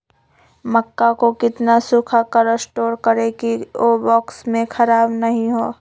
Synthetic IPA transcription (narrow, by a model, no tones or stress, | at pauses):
mɐkːakokɪt̪nasʊkʰakəɾəsʈoːɾkəɾekiobɔːksmẽkʰɐɾaːbnɐɦĩɦoː